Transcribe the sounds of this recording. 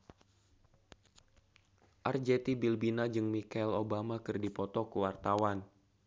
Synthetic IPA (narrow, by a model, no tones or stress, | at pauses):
ʔard͡ʒet̪ibilbinad͡ʒɨŋmikailobamakɨrdipɔt̪ɔkuwart̪awan